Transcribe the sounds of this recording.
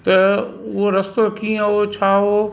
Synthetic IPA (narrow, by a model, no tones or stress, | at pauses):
t̪ɐʋoɾɐst̪okĩãot͡ʃʰaːɦoː